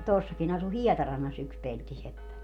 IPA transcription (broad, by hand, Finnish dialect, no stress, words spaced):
tuosːɑkin ɑsu hiɛtɑrɑnːɑs yks peltisepːæ